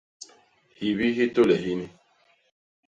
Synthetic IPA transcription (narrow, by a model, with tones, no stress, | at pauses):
hi˨βi˦ɦi˦to˦lɛ˨ɦi˦ni˦